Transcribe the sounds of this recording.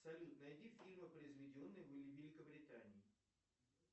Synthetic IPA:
sɐlʲut̪nɐɛd̪ʲifʲilʲmɨpɾəjzʋʲɪdʲɪonːɨbɨlʲivʲelʲɪkəbɾʲɪt̪anʲɪː

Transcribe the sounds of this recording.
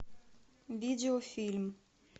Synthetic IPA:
vʲideofʲilʲm

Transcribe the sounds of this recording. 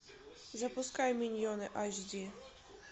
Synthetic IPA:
zɐpʊskajmʲilʲjɔnɪʔaʒd̪ʲi

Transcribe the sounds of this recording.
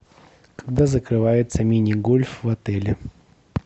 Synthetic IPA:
kɐɡd̪azəkɾɨvajɪt̪səmʲinʲɪɡolʲfvɐt̪ɛlʲɪ

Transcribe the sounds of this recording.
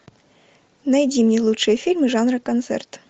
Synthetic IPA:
nɐjdʲimnʲelˠutʂɨjɛfʲilʲmɨʐɑnrɨkɐnt̪sɛ̰rt̪

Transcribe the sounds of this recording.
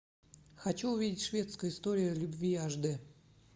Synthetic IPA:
xat͡ɕuʊvʲidʲɪtʲʂvʲet̪skəjʊɪst̪oɾʲɪjʊlʲʊbvʲiaʐd̪ɨ

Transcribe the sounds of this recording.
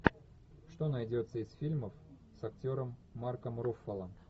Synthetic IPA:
ʂt̪o̞nɐjdʲo̞t̪səɪsfʲilʲməf | sɐktʲo̞ɾəmːarkəmɾofːəlˠə

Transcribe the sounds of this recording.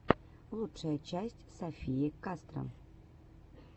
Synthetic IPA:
lˠuʂəjət͡ɕæsʲtʲsafʲijɪkast̪ɾə̰m

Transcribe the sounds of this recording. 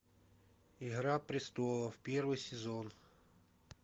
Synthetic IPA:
iɦɾapɾʲɪst̪ɔlˠɐwpʲɛrʋɨjsʲɪzɔn

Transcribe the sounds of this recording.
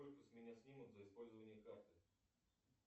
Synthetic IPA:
olʲkəsʲmʲɪnʲasʲnʲimʊt̪zəɪspo̞lʲzəvənʲɪjəkart̪ɨ

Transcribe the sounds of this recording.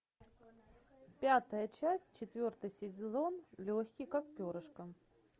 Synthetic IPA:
pʲat̪əjət͡ɕæsʲt̚ʲt͡ɕɪt̪vʲort̪ɨjsʲɪzʲɪzo̞nlʲoxʲkʲɪjkak̚pʲoɾəʂkə

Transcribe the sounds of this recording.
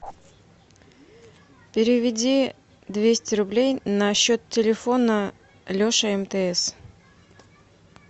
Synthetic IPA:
pʲɪɾʲɪvʲɪdʲi | d̪vʲesʲtʲɪɾʊblʲejnɐɕːo̞t̪tʲːɪlʲɪfo̞nə | lʲoʂəɛmt̪əɛs

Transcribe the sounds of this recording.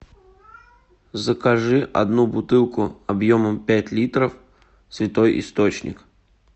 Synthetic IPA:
zəkɐʐɨʔɐ̰d̪nubʊt̪ɨlˠkʊɐbjoməmpʲætʲlʲit̪ɾəf | svʲɪt̪o̞jʔɪ̰st̪ot͡ɕnʲɪ̰k

